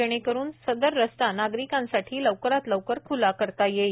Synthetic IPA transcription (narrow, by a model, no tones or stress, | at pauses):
eɽ̃ekəɾuːnsəd̪əɾːəst̪anaɡɾikãnsaʈʰiːləʋkɾat̪ləʋkəɾkʰulakəɾt̪aje